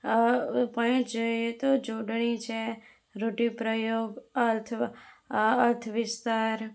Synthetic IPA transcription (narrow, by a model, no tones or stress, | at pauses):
pə̃ʈd͡ʒojet̪od͡ʒoɖɳit͡ʃʰe | ɾoʈipɾəjoɡəɾt̪ʰ | əɾt̪ʰʋɪst̪aɾ